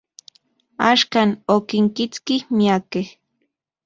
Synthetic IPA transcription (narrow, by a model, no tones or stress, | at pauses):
aʃkanokɪŋkɪt͡skihmiakeh